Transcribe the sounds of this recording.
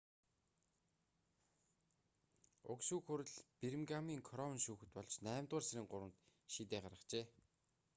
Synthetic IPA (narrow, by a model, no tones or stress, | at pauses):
ʊ̰kʃuːkxʊɾɘ̆ɮpiɾɘ̆mɡamiːŋkʰɔɾɔw̆nʃuːxɘ̆t̪pɔɮt͡ɕnæːmt̪ʊːrseɾʲɘ̆ŋɢʊɾwə̆nt̪ʃiːt̪eːɢaɾə̆χt͡ɕeː